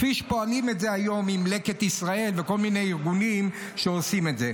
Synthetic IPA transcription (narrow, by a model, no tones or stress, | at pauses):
fiʃe̥po̞alimetze̞ajo̞mimle̞ket̪isʁae̞lveko̞lmine̞jiʁɡunim | ʃeosime̞tze